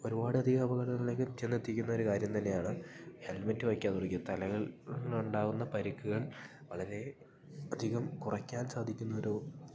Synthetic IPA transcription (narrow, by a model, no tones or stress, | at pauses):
o̞ɾubaːɽɨɐd̪ʱiɣɐbɐɣɐɽɐŋɐlekːɨt̪ːenːet̪ːikʲːunːɐo̞ɾukaːɾjɐmt̪ɐnːe̞jaːɳɨhelmɐtːɨʋɐkʲːaːðurikʲːit̪ɐlɐɣɐɭuɳɖaːɣunːɐpɐɾikːuɣɐɭ | ʋɐɭɐɾe̞ | ɐd̪ʱiɣɐmkurɐkʲːaːnsaːd̪ʱikʲːunːɐoɾu